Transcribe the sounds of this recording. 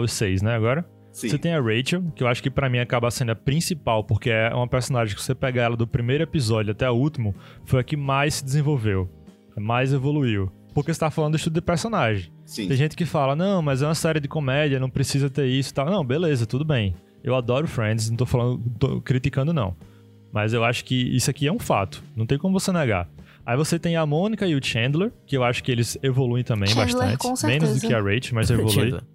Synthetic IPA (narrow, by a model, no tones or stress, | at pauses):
ʊsejsnɛaɡɔɾɐ̃ | set̪ẽj̃ɐʁejt͡ʃɐwkɪewaʃʊ̥kɪpɾɐmĩakabɐasẽnd̪ɐpɾĩsipawpohkeɛũmɐpeɾsõnaʒẽkɪ̥vosepɛɡaɛlɐd̪ʊpɾimejɾʊepizɔd͡ʒʊat̪ɛaut̪imʊfojɐkɪmajsːɪd̪ɪzẽvowvew | majzevoluiw | pohkese̥t̪afalɐ̃d̪ʊiʃt̪ud̪d̪ɪpeɾsõnaʒẽj̃ | tsĩẽʒẽt̪ɪ̥kɪfalɐnɐ̃w̃mɐzɛũɐsɛɾɪd̪ɪkõmɛd͡ʒiɐnɐ̃w̃pɾesizɐt̪eɾisʊi̥t̪awnɐ̃w̃belezɐt̪ud̪ʊbẽj̃ | ewad̪ɔɾʊfɾẽd̪ɪsñw̃t̪ofalɐ̃d̪ʊ̃t̪o̰kɾit̪ikɐ̃nd̪ʊnɐ̰̃w̃ | mɐzewaʃʊ̥kɪḭsʊakiɛũfa̰t̪ʊ̥nɐ̃w̃t̪ẽj̃kõmʊvosenɛɡa̰ | aivoset̪ẽj̃amõnikɐiʊt͡ʃẽnd̪leɾkɪewaʃʊ̥kɪelɪzevoluẽj̃t̪ɐ̃mbẽj̃baʃt̪ɐ̰̃nt͡ʃɪ̃semẽnʊzd̪ʊkɪɐʁejt͡ʃɪmɐzevolluij̰